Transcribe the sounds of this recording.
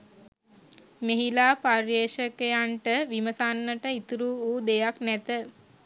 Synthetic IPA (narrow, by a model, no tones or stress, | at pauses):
meɦilaːparjeːʃəkejaɳʈəʋiməsanːəʈəit̪uɾuːuːd̪ejaknæt̪ə